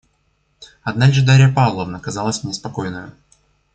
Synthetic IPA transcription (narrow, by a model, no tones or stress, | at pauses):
ɐd̪nalʲʐɨd̪aɾʲɪjəpavlˠəvnəkɐzɑlˠəsʲmnʲɪspɐkojnəjʊ̰